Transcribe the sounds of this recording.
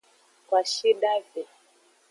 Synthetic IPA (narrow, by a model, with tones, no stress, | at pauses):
kwa˨ʃi˦ɗa˦vɛ˨